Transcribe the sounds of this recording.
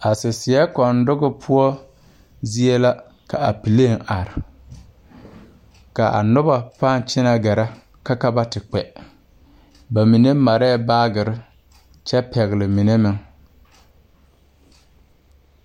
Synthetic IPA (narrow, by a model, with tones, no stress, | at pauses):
a˨sɪ˨sɪ˨ɛ˦kɔ˨ndʊ˦ɣɪ˦pʰʊ˦ɔ˦ | zi˦e˦la˦ | ka˨a̰˨pi˨le˦˨ŋa˨ɾɪ˨ | ka˨ʔa̰˨nʊ˦ba˨pa˦n˨t͡ʃɪ˦na˨ɡɛ˨ɾa˦ | ka˦ka˦ba˦tɪ˨k͡pɛ˨ | ba˨mi˨ne˦ma˨ɾɛ˦˨baː˦ɡɪ˨ɾɪ˦ | t͡ʃɛ˦pɛ˨ɣɪ˨lɪ˨mi˨ne˦mɪ˦ŋ